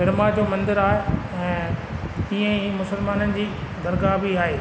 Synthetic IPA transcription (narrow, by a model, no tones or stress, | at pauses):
ɪɾmad͡ʑoːmɐ̃nd̪ɪɾaːɦe | ɛ̃ː | iɛ̃iːmʊsəlmaːnənɪ̆d͡ʑiːd̪ɐɾɡabʱiaːɦeː